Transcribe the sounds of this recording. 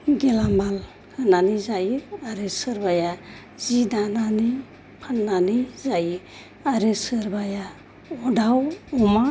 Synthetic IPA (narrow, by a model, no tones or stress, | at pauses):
ɡɛlamal | hananizajiaɾesɯɾbaja | zidanani | pʰanːanizajɯ | aɾesɯɾbaja | ɔdawɔma